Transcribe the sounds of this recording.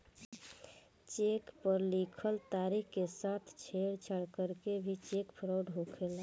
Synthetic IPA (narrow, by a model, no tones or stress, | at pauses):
t͡ʃekpəɾlikʰəlt̪aɾikkesat̪ʰt͡ʃʰeɽt͡ʃʰəɽkəɾkebʱit͡ʃekpʰɾoɖɦokʰel